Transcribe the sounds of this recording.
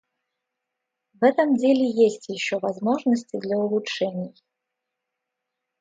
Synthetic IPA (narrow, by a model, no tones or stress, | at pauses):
vɛt̪əmdʲelʲɪjesʲtʲjɪɕːovɐzmoʐnəsʲtʲɪd̪lʲɐʊlˠʊʂɛnʲɪj